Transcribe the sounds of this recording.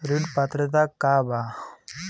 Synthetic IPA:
ɾiɖpɐt̪ɾət̪akaːba

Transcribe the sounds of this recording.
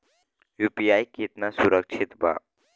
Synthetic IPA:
jupijajkit̪nasuɾək̚t͡ʃʰit̪ba̰

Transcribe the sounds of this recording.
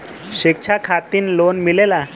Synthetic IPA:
ʃik̚t͡ʃʰakʰat̪inlonmilela

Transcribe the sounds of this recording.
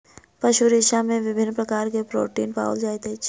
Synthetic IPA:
pɐʃuɾɪʃamẽʋɪbʱɪnːpɾɐkaːɾkepɾo̰ːʈiːnpa̰ːʊld͡ʒaːet̪e

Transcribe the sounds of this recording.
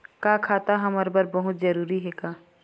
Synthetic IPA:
kaːkʰaːt̪aɦɐməɾbəɾbəɦʊt̪d͡ʒəɾuːɾiɦɛkaː

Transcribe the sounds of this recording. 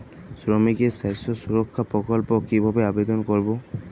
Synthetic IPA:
sɹɔmikɛsajsɔsuɹɔkʰːapɹɔkɔlpɔkibʱabɛabed̪ɔnkoɹibɔ

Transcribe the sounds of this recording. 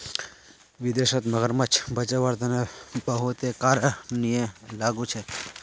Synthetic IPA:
ʋɪd̪eʃət̪məɡəɾmət͡ʃʰbʱət͡ʃəʋəɾt̪ənebəɦut̪ekaɾənijə̃laɡũt͡ʃʰe

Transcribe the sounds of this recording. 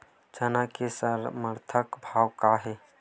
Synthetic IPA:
t͡ʃɐnakesəɾməɾt̪ʰəkbʱaːwkaɦeː

